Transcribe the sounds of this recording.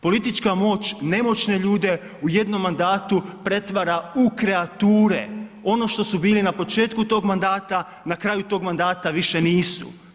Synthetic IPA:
po̞lit̪it͡ʃkamo̞ːt͡ʃne̞mo̞t͡ʃne̞ʎuːd̪e̞ | uje̞d̪no̞mːand̪aːt̪upɾe̞t̪ʋaɾaukɾeat̪uːɾḛo̞no̞ʃt̪o̞subiːlinapo̞t͡ʃe̞ːt̪kut̪o̞ːɡmand̪aːt̪a | nakɾaːjut̪o̞ɡmand̪aːt̪aʋiʃe̞niːsṵ

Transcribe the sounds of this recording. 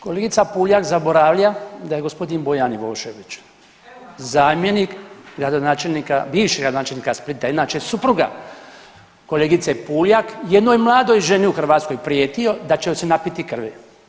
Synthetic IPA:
ko̞leɡit̪sapuːljakzabo̞ɾaːʋlʲad̪aje̞ɡospo̞d̪inbo̞janjiboːʃeʋit͡ʃ | zaːmjenikɡɾad̪o̞naːt͡ʃelʲnikabiːʋʃiɡɾad̪onaːt͡ʃelniːkasplit̪aid̪nat͡ʃesupɾuɡa̰ | ko̞leːɡit̪sepuːljakjed̪nojmlˠaːd̪o̞jʒeniuxr̩ʋaːt̪sko̞jpɾijeːt̪io̞d̪at͡ʃejosenapit̪ikr̩ʋɛ

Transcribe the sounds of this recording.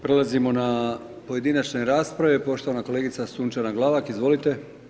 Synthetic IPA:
pɾe̞lˠazimo̞na | po̞je̞d̪inat͡ʃneɾaːspɾaʋepo̞ʃt̪oanako̞le̞ːɡit̪sasuːnt͡ʃanaɡlˠaʋakizʋo̞lit̪e̞

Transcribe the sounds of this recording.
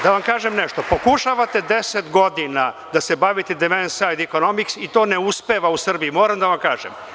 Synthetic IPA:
d̪aʋamkaːʒemneʃt̪o̞po̞kuʃaʋat̪e̞d̪e̞set̪ɡo̞d̪inad̪ase̞baʋit̪ed̪emensajd̪iko̞no̞miksit̪o̞ːneuspe̞ʋausr̩bijimo̞ːɾamd̪aʋamkaːʒḛm

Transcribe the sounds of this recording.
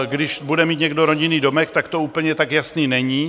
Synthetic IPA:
ɡdɪʃbudɛmiːt̪ɲɛɡdoɾoɟɪniːdomɛkt̪akt̪ouːpl̩ɲɛt̪akjasniːnɛɲiː

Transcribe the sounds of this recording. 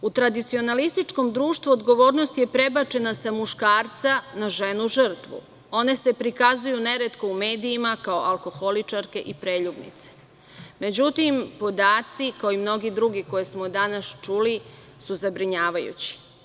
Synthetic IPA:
ut̪ɾad̪it̪sio̞nalist̪it͡ʃko̞md̪ɾuːʃt̪ʋuod̪ɡo̞ʋo̞ːɾno̞st̪je̞pɾe̞bat͡ʃe̞nasamuʃkaːɾt̪sanaʒe̞nuʒ̩r̩t̪ʋṵ | o̞ne̞se̞pɾikazujune̞ɾe̞t̪ko̞ume̞ːd̪iimakaoʔalˠko̞xo̞lit͡ʃaɾke̞ʔipɾe̞ːʎubnḭt̪se̥ | me̞d͡ʑut̪impo̞d̪aːt̪sikaoimno̞ɡid̪ɾuɡiko̞jesmo̞d̪anast͡ʃuli | suzabɾiɲaːʋajṵt͡ɕi̥

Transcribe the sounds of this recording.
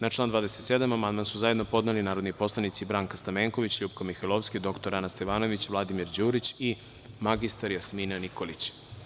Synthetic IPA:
nat͡ʃlˠaːnd̪vaːd̪eset̪sed̪amamand̪mansuzaje̞d̪nopo̞d̪nelinaːɾod̪nipo̞slˠanit̪sibɾaːŋkast̪ameːŋkoʋit͡ɕʎuːpkomixelˠofsked̪o̞kt̪oɾanast̪eʋaːno̞ʋit͡ɕʋlˠad̪imiɾd͡ʑuːɾit͡ɕi | maɡist̪aɾjasminaniko̞lit͡ɕ

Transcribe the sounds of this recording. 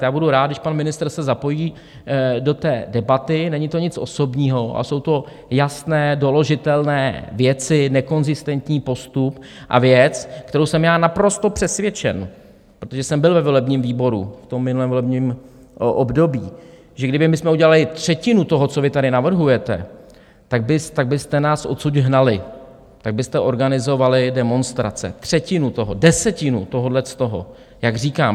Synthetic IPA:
jaːbuduɾaːd̪̚dɪʃpanmɪnɪst̪r̩sɛzapo̞jiː | do̞t̪ɛːdɛbat̪ɪnɛɲɪt̪o̞ɲɪt͡sʔo̞̰so̞bɲiːɦo̞ʔa̰so̞wt̪o̞ | jasnɛːdo̞lo̞ʒɪt̪ɛlnɛ̰ːvjɛt͡sɪnɛko̞nzɪst̪ɛnt̪ɲiːpo̞st̪upʔa̰vjɛt͡skt̪ɛɾowsɛmjaːnapɾo̞st̪o̞pr̝̥ɛsvjɛt͡ʃɛ̰n | pɾot̪oʒɛsɛmbɪlvɛvo̞lɛbɲiːmviːbo̞ɾṵft̪o̞mːɪnulɛːmvolɛbɲiːm | ʔobdo̞biː | ʒɛɡdɪbɪmɪsmɛuɟɛlalɪt̪r̝̥ɛcɪnut̪o̞ɦot͡so̞vɪt̪adɪnavr̩ɦujɛt̪ɛ̰ | t̪aɡ̚bɪst̪aɡ̚bɪst̪ɛnaːsʔo̞suɟɦnalɪ | t̪aɡ̚bɪst̪ɛʔo̞ɾɡanɪzo̞valɪdɛmo̞nst̪ɾa̰t͡sɛ̰t̪r̝̥ɛcɪnut̪o̞ɦodɛsɛcɪnut̪o̞ɦodlɛst̪o̞ɦo̰ | jaɡriːkaːm

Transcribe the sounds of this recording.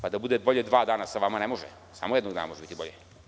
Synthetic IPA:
pad̪abud̪ebo̞ʎed̪ʋaːd̪aːnasaʋamanemo̞ʒḛ | sa̰mojed̪noɡd̪aːnamoʒebit̪ibo̞ʎe

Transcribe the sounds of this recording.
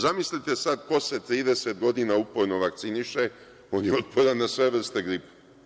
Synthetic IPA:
zamislit̪e̞sad̪ko̞se̞t̪ɾiːd̪e̞set̪ɡo̞d̪inaupoɾno̞ʋak̚t̪siniʃe̞ | o̞ːnjeo̞t̪̚pʰo̞ɾanːasʋe̞ʋr̩st̪e̞ɡɾipe̥

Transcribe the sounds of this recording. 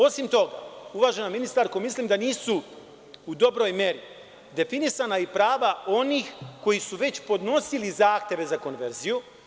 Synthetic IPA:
o̞simt̪o̞ɡa̰uʋaːʒe̞naminist̪aɾkomisliːmd̪aniːsu | ud̪o̞bɾo̞jmje̞ɾi | d̪e̞finisanaipɾaːʋao̞niːxko̞jisuʋe̞t͡ɕpo̞d̪no̞silizaːxt̪e̞ʋe̞zako̞nʋe̞ɾziju

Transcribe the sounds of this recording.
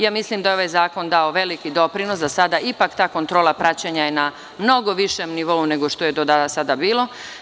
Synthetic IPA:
jaːmislimd̪ajo̞ʋajzaːko̞nd̪ao̞ʋe̞likid̪o̞pɾinosd̪asad̪aipakt̪aːko̞nt̪ɾoːlˠapɾat͡ɕaɲajena | mno̞ɡo̞ʋiʃemniʋo̞une̞ɡo̞ʃt̪o̞je̞d̪od̪asad̪abiːlˠo̞

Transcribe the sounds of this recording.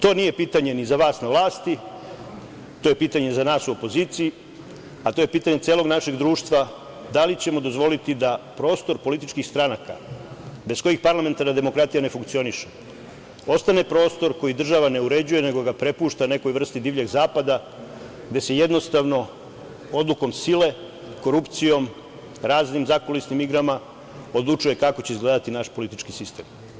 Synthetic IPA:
t̪o̞ːnije̞piːt̪aɲe̞nizaʋaːsnaʋlˠaːst̪i | t̪o̞ːje̞piːt̪aɲezanaːsuo̞po̞ziːt̪sii | at̪o̞jepiːt̪aɲesjeːlˠo̞ɡnaʃeɡd̪ɾuːʃt̪ʋa | d̪alit͡ɕemo̞d̪o̞zʋo̞lit̪id̪apɾo̞ːst̪o̞ɾpo̞lit̪it͡ʃkixst̪ɾanaka̰be̞sko̞jixpaɾlˠame̞nt̪aɾnad̪e̞mo̞kɾat̪ijane̞fuŋkt̪sio̞niʃe̥ | o̞st̪ane̞pɾo̞ːst̪o̞ɾko̞jid̪r̩ʒaʋane̞uɾe̞d͡ʑuje̞ne̞ɡo̞ɡapɾe̞puːʃt̪ane̞ko̞jʋr̩st̪id̪iːʋʎe̞ɡzaːpad̪a | ɡd̪e̞se̞je̞d̪no̞st̪aʋno̞ | o̞d̪lˠuko̞msile̞ | ko̞ɾupt̪sijo̞m | ɾaːznimzako̞lisnimiɡɾama | o̞d̪lˠut͡ʂuje̞kako̞t͡ɕeizɡle̞d̪at̪inaʃpo̞lit̪it͡ʃkisist̪e̞ːm

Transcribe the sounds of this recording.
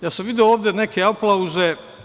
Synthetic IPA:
jaːsamʋid̪iooːvd̪ʲene̞kʰeaplˠauze

